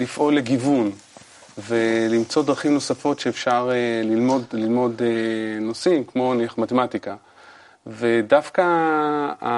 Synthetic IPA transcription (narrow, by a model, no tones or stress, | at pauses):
lifʔo̞leɡivun | velimt͡so̞dʁaχimno̞safo̞tʃeːfʃaʁelilmo̞dlilmo̞denosimkmo̞niaχmatematika | vedafka | a